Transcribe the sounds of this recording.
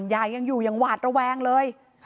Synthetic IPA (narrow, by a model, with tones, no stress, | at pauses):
njaː˧˩jja˧ŋjuː˨˩jaː˨˩ŋwaː˨˩t̪̚ɾa˧wɛː˧ŋlɤː˧j